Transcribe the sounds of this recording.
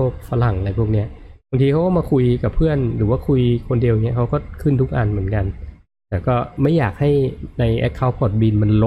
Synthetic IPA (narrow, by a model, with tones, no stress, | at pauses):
k̚fa˧la˨˩ŋ˧la˧jpʰu˥˩k̚ni˦˥ɐba˧ŋt̪ʰiː˧kʰa˦˥kɔ˥˩maː˧kʰu˧jka˨˩pʰɯ˥˩ənɾɯː˩˦waː˥˩kʰu˧jkʰo˧ndi˧wjŋi˦˥ɐkʰa˦˥wkɔː˥˩kʰɯ˥˩nt̪ʰu˦˥k̚ʔa̰ː˨˧nmɯ˩˦ə˦nka˧n | t̪ɛː˨˩wkɔː˥˩ma˥˩jːaː˨˩k̚ha˥˩jna˧jʔɛ̰˦˥kʰːa˦˩wpʰɔː˨˩t̪̚biː˧nma˧nlo˦